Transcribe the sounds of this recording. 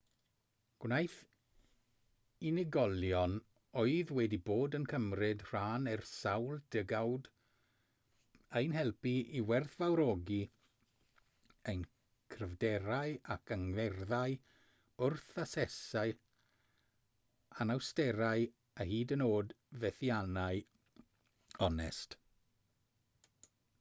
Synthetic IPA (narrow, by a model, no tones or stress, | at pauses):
ɡ̥wnajθ | inɪɡɔlˠjɔn | oɨðwɛdiboːdənkʰəmrɪd̥r̥aːnɛrsawlˠd̥ɪɡawd | əjnɦɛlˠpiʔiwɛrθvawɾɔɡi | ejn | kʰrəvdɛɾaɨakʰaŋðɛrðaɨ | ʊrθasɛsaɨ | anawstɛɾaɨ | ahiːdənoːd | vɛθianaɨ | ɔnɛ̰st